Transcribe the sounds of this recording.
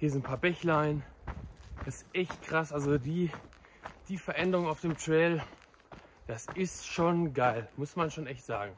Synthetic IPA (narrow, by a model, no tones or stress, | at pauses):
hiːɐz̬ɪnpʰaːɐbɛçlaɪn | d̥asɪ̥sʔɛçt̚kʁ̥asʔalzodiː | d̥iːfɛɐʔɛndəʁʊŋaʊfd̥eːmtʁ̥ɛːl | d̥asɪstʃoːnɡaɪlmʊsmanʃoːnɛçtz̥a̰ːɡŋ̩